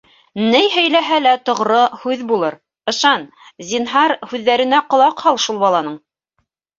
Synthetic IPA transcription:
nɘjɦɵ̆jlæɦælæt̪ŏʁɾɤhʉðbulˠɤɾ | ɤ̆ʃɑn | zʲinɦɑɾhʉðːæɾɘ̆næqŏlˠɑqhɑlˠʃulˠbɑlˠɑnɤɴ

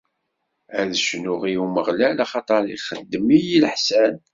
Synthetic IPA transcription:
æðəʃnʊʁiuməʁlælɑχɑt̪ˤɑɾˤḭχəd̪ːəmijilħsæn

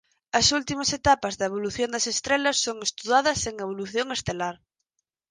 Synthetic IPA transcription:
ɐsult̪imɐset̪apɐzðɐeβ̞oluθjond̪ɐsest̪ɾelɐsːoŋest̪uðaðɐseŋeβ̞oluθjoŋest̪elaɾ

